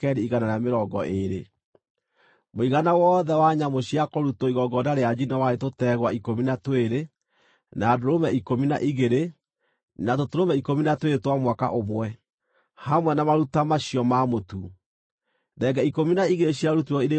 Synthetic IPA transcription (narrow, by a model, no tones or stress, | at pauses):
kɛɾiiɣanaɾameɾɔɡɔʔeɾe | moiɣanawɔːðɛwaɲamoɕiakoɾutɔiɣɔɡɔdaɾead͡ʒinawaɾetotɛɣwaikominatweɾe | nadoɾomɛikomina̰ʔiɣeɾe | natotoɾomɛikominatwetwamwaka̰ʔomwɛ | hamwɛnamaɾutamaɕiɔmamotu | ðɛɡɛikominaiɣeeɕiaɾutuɾɔiɾe